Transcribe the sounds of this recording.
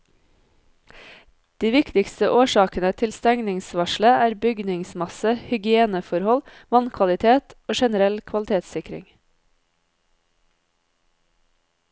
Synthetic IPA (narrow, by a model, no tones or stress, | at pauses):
d̪̥iːʋɪkt̪ɪkst̪əʔoːʃɑːkənət̪ʰɪlst̪æŋnɪŋsʋɑʃləæːɾbʏɡnɪŋsmɑsəhʏɡɪeːnəfɔɾhɔl | ʋɑnkʰʋɑlɪt̪ʰeːt̪oːʃɛnəɾɛlkʰʋɑlt̪ʰeːt̪sɪkɾɪ̰ŋ